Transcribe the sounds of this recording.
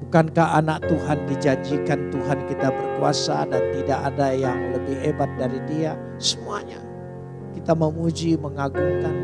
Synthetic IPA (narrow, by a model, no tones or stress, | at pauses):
bukankahanak̚t̪uɦandid͡ʒaɲd͡ʒikant̪uɦankit̪abərkuasadant̪idaʔadajaŋləbɪhebat̪̚daɾidia | səmuaɲa̰ | kit̪aməmud͡ʒiməŋaɡuŋkan